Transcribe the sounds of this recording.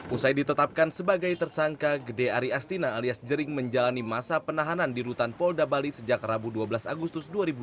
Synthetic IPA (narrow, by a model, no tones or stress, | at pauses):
ʔusajdit̪ət̪ap̚kansəbaɡajt̪ərsaŋkaɡədeaɾiast̪inaːliasd͡ʒəɾɪŋməɲd͡ʒalanimasapənaɦanandiɾut̪anpɔldabalisəd͡ʒakrabuduabəlasaɡust̪ʊsduaɾibu